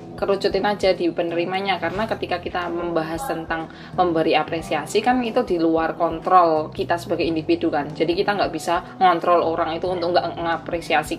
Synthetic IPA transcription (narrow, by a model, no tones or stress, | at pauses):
kəɾut͡ʃʊt̪ɪnad͡ʒadipənəɾimaɲakaɾənakət̪ikakit̪aməmbaɦast̪ənt̪aŋ | məmbəɾiapɾesiasikanit̪udiluarkɔnt̪ɾɔlkit̪asəbaɡajindifidukand͡ʒadikit̪aŋɡaʔb̥isa | ŋɔnt̪ɾɔloɾaŋit̪uːnt̪ʊkŋɡaʔəŋapɾesiasi